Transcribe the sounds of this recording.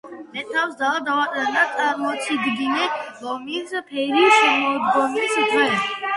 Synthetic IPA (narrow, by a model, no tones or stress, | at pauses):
nɛt̪ʰawsd̪alad̪awat̪ʼanat̪ʼaɾmɔt̪sʰid̪ɡinɛbɔmispʰɛɾiʃamɔd̪ɡɔmisit̪ʰwɛl